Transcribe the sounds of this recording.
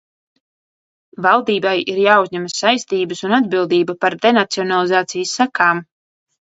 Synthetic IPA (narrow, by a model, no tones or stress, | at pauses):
valˠd̪iːbajiɾjaːuzʲɲɛmassajst̪iːbɨsunad̪bilˠd̪iːbapaɾd̪enat̪siɔnalˠizaːt̪sijəsːakaːm